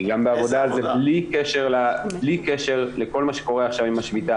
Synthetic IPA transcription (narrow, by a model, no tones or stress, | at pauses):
ɡambeavo̞d̪azeblikeʃeʁlablikeʃe̞ʁleko̞lmaʃeko̞ʁeaχʃavimaʃmit̪a